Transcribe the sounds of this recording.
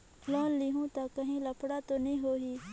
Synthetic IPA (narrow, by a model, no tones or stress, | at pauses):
loːnliɦũːt̪akəɦĩːləpʰɽat̪oːnĩːɦoːɦiː